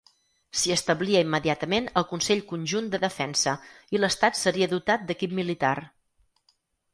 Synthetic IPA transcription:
siəst̪əβliəimːəðiat̪əmenəlˠkunsɛʎkunʲʒund̪əðəfɛnsə | iləst̪at̪səɾiəðut̪at̪̚d̪əkip̚milit̪ar

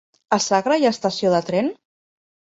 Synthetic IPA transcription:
əsaɣɾəiəst̪əsioðət̪ɾɛn

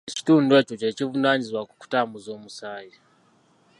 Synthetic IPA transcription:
t͡ʃi̥tunde̞t͡ʃot͡ʃet͡ʃivunaɲizwaku̥ku̥tamuzomusaːji

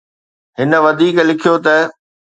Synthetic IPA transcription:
ɦɪnə̆ʋɐd̪ʱiːklɪkʰijot̪ɐ

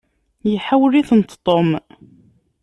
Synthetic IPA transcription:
jiħawlːiθənt̪t̪ˤːom

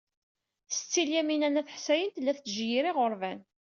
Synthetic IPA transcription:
θsə̥t͡sːiljæminænæθħsæjənt̪lːæθt͡sːʒjiɾiʁʊɾˤvæn

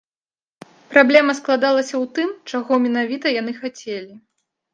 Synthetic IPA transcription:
pɾablʲɛmɐsklˠad̪alˠɐsʲɐwt̪ɨmt͡ʂaɣɔmʲɛn̪avʲit̪ɐjan̪ɨxat͡sʲelʲi

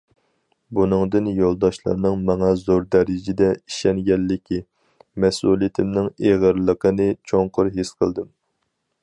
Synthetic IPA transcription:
bunɨŋd̪ɨnjolˠd̪ɑʃlˠɑ̰ɾnɨŋmɑŋɑzoɾd̪ɛɾɪd͡ʒɪd̪ɛiʃɛnɡʲɛlːɪkʲi | mɛsulˠijit̪ʰɪmnɪŋeʁəɾlˠəqʰənɨt͡ʃʰoŋqʰʊɾɦesqʰə̰lˠd̪ɨm

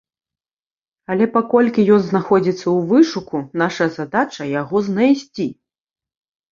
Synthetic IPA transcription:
ɐlʲɛpakɔlʲkʲijɔnznaxɔd͡zʲit̪sːɐwvɨʂukunaʂɐzad̪at͡ʂɐjaɣɔznajsʲt͡sʲi

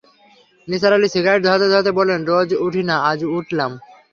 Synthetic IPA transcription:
nisaɾalisiɡaeʈ̚d̪ʱɔɾat̪ed̪ʱaɾat̪ebɔlenɾɔd͡ʑuʈʰinaad͡ʑuʈʰlam

